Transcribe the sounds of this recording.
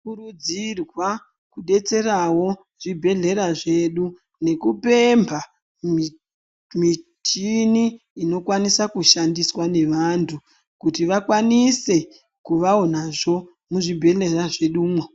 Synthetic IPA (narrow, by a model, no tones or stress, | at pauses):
kurud͡zirwa | kuɗe̞t͡se̞rawo̞ | ʐ̥ibʱe̞ɮe̞ɾaʐe̞ɗu | ne̞kupe̞mbʱa | mi | tiniː | no̞kwanisakuʃandiswane̞ʋantʰu | kutiʋakwanise̞ | kuʋaonaʐo̞ | muʐibʱe̞ɮe̞raʐe̞ɗuːmwe